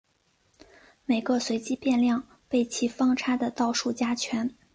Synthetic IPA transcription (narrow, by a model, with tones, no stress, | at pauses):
me˨˩ɪɡə˧swe˧˥ɪt͡ɕi˥pjɛ˥˧nljɑ˥˧ŋ | pe˥˩ɪt͡ɕʰi˧˥fɑ˥ŋʈ͡ʂʰa˥d̪ə˨t̪ɑ˥˧ʊʂu˥˩t͡ɕja˥t͡ɕʰɥɛ˧˥n